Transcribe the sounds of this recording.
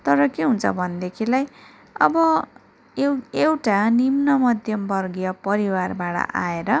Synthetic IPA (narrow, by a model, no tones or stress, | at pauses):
t̪ʌɾʌkeɦunt͡sʰʌ̰bʱʌnd̪ekʰilaj | ʌ̰bʌ | ewʈanimnʌmʌd̪ʱjʌmbʌrɡijʌpʌɾiwarbaɽʌ̰ʔa̰eɾʌ